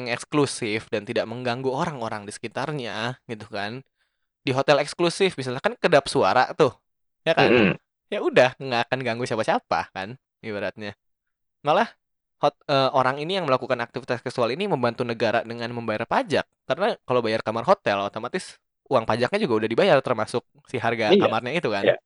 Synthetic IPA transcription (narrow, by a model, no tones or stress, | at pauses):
ŋɛksklusɪfdant̪idaʔməŋɡaŋɡuoɾaŋoɾaŋdisə̥kit̪arɲaɡit̪ukan | diɦot̪ɛlɛksklusɪfmisalɲahkankədapsua̰ɾa̰ʔt̪ʊh | jaka | jaudahŋɡaːkanɡaŋɡusiapasiapa̰kan | ibəɾat̪̚ɲa | malah | hot̪əoɾaŋinijaŋməlakukanak̚t̪ifit̪askɛksualiniməmbant̪unəɡaɾa̰dəŋanməmbajarpad͡ʒak̚ːaɾənakalobajarkamarɦot̪ɛlot̪omat̪ɪs | uaŋpad͡ʒak̚ɲad͡ʒuɡaudahdibajart̪ərmasʊk̚siɦarɡakamarɲait̪ukan